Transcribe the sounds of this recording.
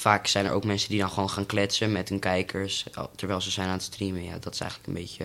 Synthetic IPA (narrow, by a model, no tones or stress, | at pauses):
faːksɛjnə̰ɹʔo̰wkmɛnsəndidɑnχəʋoːnχaːnklɛtsəmɛtɦɵnkɛjkʰəɹstɛɹʋɛjlˠzəzɛjnaːnətstrimənja̰ːdɑtɪ̥sɛ̰jələkənbḛjcə